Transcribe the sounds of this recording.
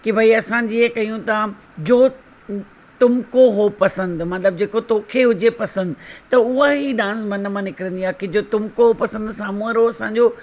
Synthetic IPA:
kibʱaiɐsãɲd͡ʑiːekɐiũt̪a | d͡ʑoː | t̪ʊmkoɦopɐsə̃nd̪mɐt̪ləb̚d͡ʑeːkot̪oːkʰeɦʊd͡ʑepɐsə̃nd̪ɪ̆t̪ɐʊɦaɦiɗãːnsmɐn̆mãnɪkɪɾə̃nd̪iaːkɪd͡ʑoːt̪ʊmkoɦopɐsə̃nd̪saːmuəɾoɐsãːɲ̆d͡ʑoː

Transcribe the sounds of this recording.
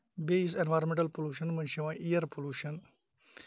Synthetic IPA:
beisenʋaːɾmẽɳʈɐlpoluːʃɐnmɐnʃiʋãːʔijɐɾpoluːʃɐn

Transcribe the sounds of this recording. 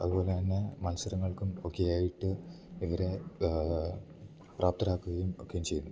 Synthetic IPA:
ɐðupo̞ːleɐnːemɐnɐsɐɾɐŋːɐɭkumokːe̞jaːjiʈːɨ | iʋɐɾe̞ | prʔaːp̚t̪ɐɾaːkːuɣɐjumo̞̰kːejumt͡ɕe̞junːu

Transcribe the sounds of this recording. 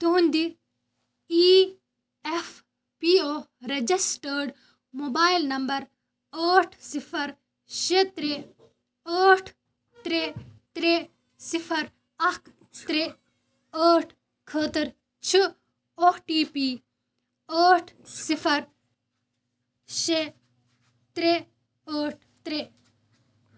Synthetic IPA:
t̪uɦund̪i | iː | ef | pioː | ɾed͡ʒisʈəːɾɖ | moːbaːjlnɐmbɐɾ | əːʈʰsipʰɐɾ | ʃet̪ɾe | əːʈʰ | t̪ɾet̪ɾe | sipʰɐɾ | ɐkʰ | t̪ɾe | əːʈʰ | kʰəːt̪ɐɾ | t͡ʃʰi | oʈiːpiː | aːʈʰsipʰɐɾ | ʃe | t̪ɾe | əːʈ̚ʰ | t̪ɾe

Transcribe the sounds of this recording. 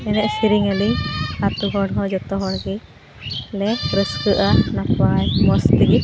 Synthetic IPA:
ɛnɛʔsiɾiŋaliat̪uɡʱɔɽɦɔd͡ʒɔt̪ɔɦɔɽɡi | lɛɾɔst̪uʔanapajmɔst̪iɡi

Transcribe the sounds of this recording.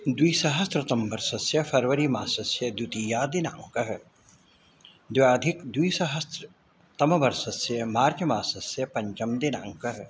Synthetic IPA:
d̪wiːsɐɦɐst̪ɾɐt̪ɐmbɐɾsɐsjɐfʰɐɾʋɐɾimaːsɐsjɐd̪jut̪iːjaːd̪ina̰ːŋkɐɦ | d̪ʋaːd̪ʱikd̪wiːsɐɦɐst̪ɾ | t̪ɐmɐʋɐɾsɐsjɐmaːɾd͡ʒɐmaːsɐsjɐpɐɲt͡ʃɐmd̪inã̰ːŋkɐɦ

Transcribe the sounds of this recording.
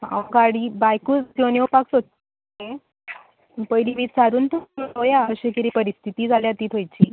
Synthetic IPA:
a̰ʋɡaɽiːbajkuːkonjowpaksot̪ː | ẽ | ənpəjliːʋiːt̪t͡saɾuːnt̪ummojaəɕekiɾipəɾist̪ʰit̪iːd͡zaljat̪iːt̪ʰɦojt͡ɕiː

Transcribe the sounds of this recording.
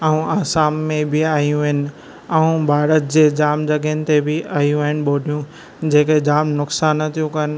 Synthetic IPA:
aũaːsaːmːẽbɪaːɦijũʋɦɪnɪ̆ɪ̆ | ɐũbʱaːɾət̪̚d͡ʑeːd͡ʑaːmd͡ʑɐɡənɪ̆t̪ebʱɪaːɦijũaːɦɪnɪ̆ɓoːɗijũ | d͡ʑeːked͡ʑaːmnʊksaːnːɐt̪ʰijũkɐnɪ̆

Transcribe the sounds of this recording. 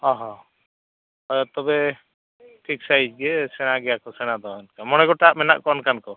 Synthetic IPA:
ɔɦɔ̃ | ɔjɔt̪ɔbɛ | ʈʰik̚sajd͡ʒɡɛsɛñaɡɛjakɔsɛɽ̃ad̪ɔɛnkamɔñɛɡɔʈaʔmɛna̰ʔkɔnkankɔ

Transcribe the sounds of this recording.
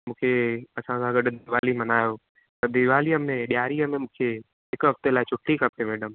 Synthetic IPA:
mũːkʰeɐsãkʰãɡɐɖʊd̪ɪʋaːlimɐnaːjo | t̪ɐd̪ɪʋaːlijəmẽɗɪjaːɾijəmẽmũːkʰe | ɦɪkɦɐft̪elaːɪt͡ʃʰʊʈʰːikɐpemeːɖəm

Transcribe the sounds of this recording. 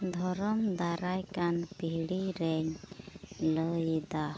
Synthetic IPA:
d̪ʱɔɾɔmd̪aɾajkanpiɦɽiɾɛɲ | ləjd̪a

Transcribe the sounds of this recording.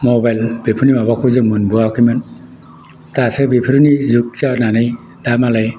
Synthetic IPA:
mɔbajlbepʰɯɾnimabakʰuzɯŋmɯnbɯakʰɯjmɯn | tasabipʰɯɾɯnizuk̚t͡ʃananɯj | d̥amalaj

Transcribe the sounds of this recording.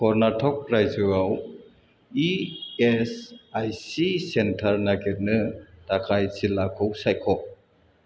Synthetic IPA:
kʰɔɾnatʰɔk̚ɾajzuaw | iesajsisentʰɐɾnaɡiɾ̚nɯtakʰajsilakʰɯwsajkʰɔ

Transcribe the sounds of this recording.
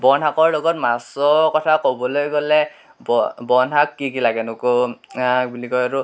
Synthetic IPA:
bɔnakɔɹlɔɡɔtmasɔkɔtʰakobɔlojɡolɛ | bɔbɔnakːikilaɡɛnʊkoabulikɔjaɹu

